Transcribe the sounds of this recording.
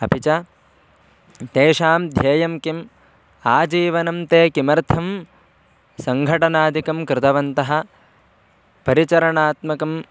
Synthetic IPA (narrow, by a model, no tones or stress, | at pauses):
ɐpit͡ʃɐ | t̪eːʃaːmd̪ʱjɐːjɐmkim | aːd͡ʒiːʋɐnɐmt̪eːkimɐɾt̪ʰɐm | sɐŋɡʱɐʈɐnaːd̪ikɐmkɾɪt̪ɐʋɐnt̪ɐɦɐ̆ | pɐɾit͡ʃɐɾɐɳaːt̪mɐkɐm